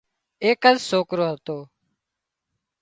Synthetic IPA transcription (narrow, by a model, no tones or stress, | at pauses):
eːkəzsoːkɾoːɦət̪oː